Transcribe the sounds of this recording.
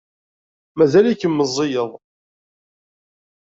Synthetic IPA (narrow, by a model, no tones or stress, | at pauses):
mæzælikːəmːəzˤːɪjəðˤ